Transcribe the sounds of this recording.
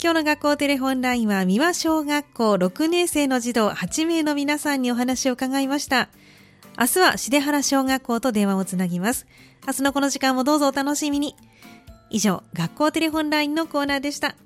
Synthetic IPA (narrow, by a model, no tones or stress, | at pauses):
kʲo̞ːno̞ɡakːo̞ːt̪e̞ɾe̞ɸõ̞nɾaĩɰ̃βamʲiβaɕo̞ːɡakːo̞ːɾo̞kɯ̟ne̞ːse̞ːno̞ʑid̪o̞ːhat͡ɕime̞ːno̞mʲinasãɲ̟ːio̞ɦanaɕio̞ɯkaɡaimaɕi̥t̪a | asɨβaɕid̪e̞ɦaɾaɕo̞ːɡakːo̞ːt̪o̞d̪e̞ɰ̃βao̞t͡sɨnaɡʲimasɨ̥ | asɨno̞ko̞no̞ʑikãmːo̞d̪o̞ːzo̞ːt̪ano̞ɕimʲiɲ̟i | iʑo̞̰ːɡakːo̞ːt̪e̞ɾe̞ɸõ̞nɾaĩnːo̞ko̞ːnaːd̪e̞ɕi̥t̪a